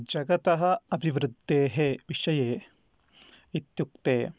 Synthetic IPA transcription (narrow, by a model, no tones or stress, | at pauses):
d͡ʒɐɡɐt̪ɐɦɐɐbʱiʋɾud̪ʱːeːɦeʋiʂɐjeː | it̪jukt̪eː